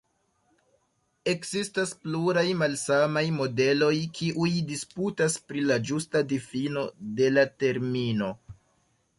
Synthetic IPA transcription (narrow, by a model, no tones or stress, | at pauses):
e̞kzistaspluɾajmalsamajmo̞de̞lo̞jkʰiʔujdisputaspɾilad͡ʒustadifino̞de̞late̞ɾmino̞